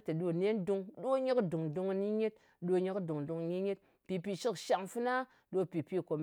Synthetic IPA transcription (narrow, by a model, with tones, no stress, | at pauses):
ti˨ɗo˦ne˦ndu˧ŋɗo˦ɲi˦kdu˨ŋdu˧ŋ˦ni˦ɲe˦t̚ | ɗo˦ɲi˦kdu˨ŋdu˨ŋ˨ɲi˦ɲe˦t̚ | pi˨pi˨ʃi˦kʃa˨ŋfu˦na˦ | ɗo˦pi˨pi˦ko˨m